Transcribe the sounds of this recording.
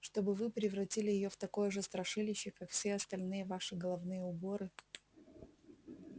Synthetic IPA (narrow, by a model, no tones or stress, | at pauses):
ʂt̪o̞bɨvɨpɾʲɪvɾɐtʲilʲɪjɪjo̞ft̪ɐko̞jəʐɨst̪ɾɐʂɨlʲɪɕːɪkakfsʲeɐst̪ɐlʲnɨjəvaʂɨɡəlˠɐvnɨjəʊboɾɨ